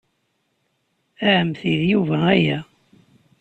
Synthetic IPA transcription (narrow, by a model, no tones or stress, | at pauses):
æʕəmθiðjuvææjæ